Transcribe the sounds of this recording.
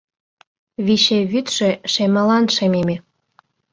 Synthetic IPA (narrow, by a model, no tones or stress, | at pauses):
βiɕeβyt̪ʃĕʃemɤ̆lɑnʃememe